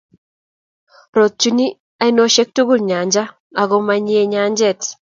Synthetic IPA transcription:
ɾo˨t̚t͡ʃu˦ni˦ | a˦i˦no˦ʃe˦k̚tu˦ɡu˦lɲa˨ɲd͡ʒa˦ | a˨ɡɔ˦ma˦ɲi˦e˦ɲa˦ɲd͡ʒɛ˦˨t

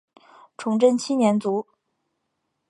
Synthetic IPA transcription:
ʈ͡ʂʰʊ˧˥ŋʈ͡ʂə˥nt͡ɕʰi˥njɛ˧˥nt͡su˧˥

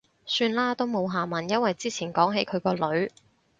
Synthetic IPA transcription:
syː˧nlaː˥t̪o˥wmo˨˧wɦaː˨mɐ˨˩njɐ˥nwɐ˨jt͡siː˥t͡sʰiː˨˩nkɔː˨˥ŋɦe˨˧˥jkʰɵ˨˧ɥkɔː˧lɵ˨˧ɥ

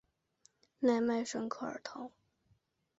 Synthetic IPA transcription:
na˥˧ɪma˥˩ɪʂə˥ŋkʰo˥˩ə̰˞˨˩t̪ʰʊ˧˥˦ŋ

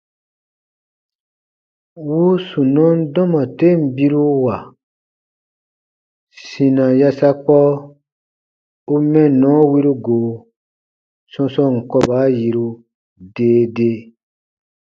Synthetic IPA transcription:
wu˦sũ˨nɔ̃˦n̩˦dɔ̃˦mã˨te˦m̩˨bi˦ɾu˦wa˨ | sĩ˨nã˨ja˧sa˧k͡pɔ˦ | u˦mɛ̃˦nɔ̃˨˦wi˦ɾu˦ɡo˨ | sɔ̃˧sɔ̃˦˨ŋ̩˨kɔ˧ba˨˦ji˧ɾu˧ | deː˦de˦

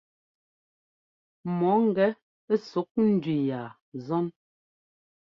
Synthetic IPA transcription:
mɔ˨˦ŋ̩˦˨ɡɛ˦ | so˨˦k̚n̩˦dɥi˨jaː˨ | zɔ˦n

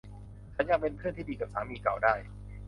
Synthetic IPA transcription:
t͡ɕʰa˨˦˥nja˧ŋpe˧npʰɯ˥˩ənt̪iː˥˩diː˧ka˨˩p̚saː˩˦miː˧ka˨˩wdaː˥˩j

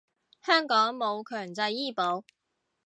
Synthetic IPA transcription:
hœː˥ŋkɔː˨˥ŋmo˨˧wkʰœː˨˩ŋt͡sɐ˧jiː˥po˨˥w

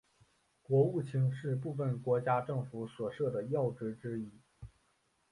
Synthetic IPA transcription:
kwɔ˧˥u˥˩t͡ɕʰi˧˥ŋʂɻ̩˥˧p̬u˥˧fə˨˩nkwɔ˧˥t͡ɕja˥ʈ͡ʂɤ˥˩ŋfu˧˥swɔ˨˩ʂɤ˥˩d̪ə˩jɑ˥˩ʊʈ͡ʂɻ̩˧˥ʈ͡ʂɻ̩˥i˥˩

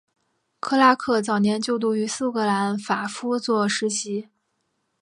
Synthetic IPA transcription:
kʰɤ˥˧la˥kʰɤ˥˩t͡sɑ˨˩ʊnjɛ˧˥nt͡ɕjo˥˧ʊt̪u˥˩y˧˥sɹ̩˥˩kɤ˧˥la˧˥nfa˨˩fu˥t͡swɔ˥˩ʂɻ̩˧˥ɕi˧˥

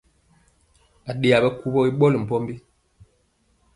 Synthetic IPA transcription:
a˨ɗe˨a˨bɛ˦ku˦bɔ˦i˦ɓɔ˦lm̩˨pɔ˦m˦bi˦

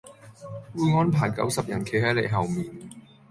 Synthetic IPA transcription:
wuː˧jŋɔː˨˥npʰaː˨˩jkɐ̰˨˥wsɐ˨p̚jɐ˨˩nkʰe˨˥jhɐ˨˥jle˨˧jɦɐ˨wmiː˨n

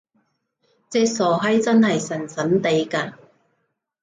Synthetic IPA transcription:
t͡sɛː˥k̚sɔː˨˩ɦɐ˨˥jt͡sɐ˥nhɐ˨jsɐ˨˩nsɐ˨˥nt̪e˨˧˥jkaː˧

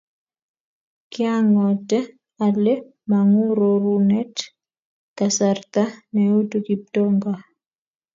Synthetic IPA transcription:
kɪ˦aŋɔ˨tɛ˦ | ale˦ | ma˨ŋu˦ɾoɾunɛ˦t | kasart̪a˦nɛu˦tuki˨p̚tɔŋɡa˨

